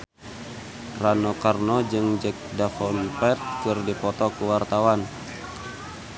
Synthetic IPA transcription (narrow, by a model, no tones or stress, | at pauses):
ranɔkarnɔd͡ʒɨŋd͡ʒɛk̚dafɔnpɛrt̪̚kɨrdipɔt̪ɔkuwart̪awan